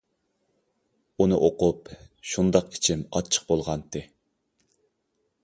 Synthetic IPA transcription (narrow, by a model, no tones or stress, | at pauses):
unɨʔoqʊpʃund̪ɑqi̥t͡ʃʰɪmɑ̰t͡ʃʰːə̥q̚bolˠʁɑnt̪ʰɨ